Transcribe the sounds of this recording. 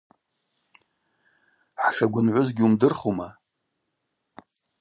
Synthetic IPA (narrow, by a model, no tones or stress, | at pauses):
ħʂaɡʷʊnʕʷʊzɡʲɪumdɨrχoma